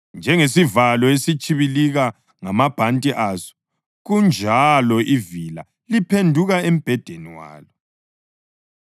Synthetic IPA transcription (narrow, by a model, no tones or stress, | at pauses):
nd͡ʒʱɛŋesivalɔesit͡ʃʼiβiliɣa | ŋamab̥ʱantʼiʔazɔ̥ | ɣund͡ʒʱalɔʔivila̰ | lipʰendʱuɣaem̩b̥ʱɛd̥ʱeniwa̰ːlɔ